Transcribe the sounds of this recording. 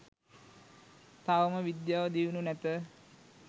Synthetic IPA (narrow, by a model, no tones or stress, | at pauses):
t̪aʋəməʋid̪jaːʋəd̪iʋununæt̪ə